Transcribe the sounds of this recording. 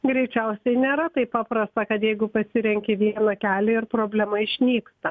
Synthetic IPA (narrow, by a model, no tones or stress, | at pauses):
ɡɾʲɛɪt͡ʃʲɛʊsʲɛɪnʲeːɾɐt̪ɐɪpɑːpɾɐst̪ɐkɐt̪jɛɪɡʊpɐsʲɪɾʲɛŋʲkʲɪʋʲiɛnɐkʲæːlʲɪɪrpɾoːbʲlʲɛmɐɪʃʲnʲiːkt̪ɐ